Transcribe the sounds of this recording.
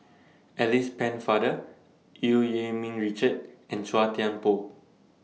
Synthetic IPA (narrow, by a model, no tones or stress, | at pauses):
ɛlispɛ̃nfadə | iljemĩnɹit͡ʃəd̚ɛ̃nswatiãnpo